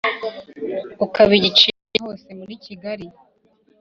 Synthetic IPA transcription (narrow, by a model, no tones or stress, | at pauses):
ukaβiɟit͡ʃi | eho̞ːse̞municiɡaɾi